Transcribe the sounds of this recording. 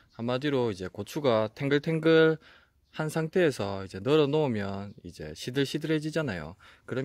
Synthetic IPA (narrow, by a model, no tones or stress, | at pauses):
hamːadiɾoid͡ʑe̞kot͡ɕʰuɡatʰeŋɡɯɭtʰeŋɡɯɭ | hansʰaŋtʰe̞ːsʰʌid͡ʑe̞nʌɾʌnoomjʌnḭd͡ʑe̞̰ɕʰidɯɭɕʰidɯɭɦed͡ʑid͡ʑanajo̰ | kɯɾʌ